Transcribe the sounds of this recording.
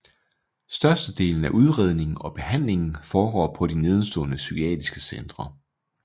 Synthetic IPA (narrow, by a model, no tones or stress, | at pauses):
sd̥ɶɐsd̥əd̥e̝̰ːln̩æʔuð̞ˠʁɛð̞̰ˠne̝ŋn̩ɒ̽b̥e̝hæn̰le̝ŋn̩fɒːɡ̥ɒ̰ːpʰɒ̽d̥ine̝ð̞ˠsd̥ɔ̰̽ːnəsykʰiɛ̰ːd̥isɡ̥əsend̥ʁɐ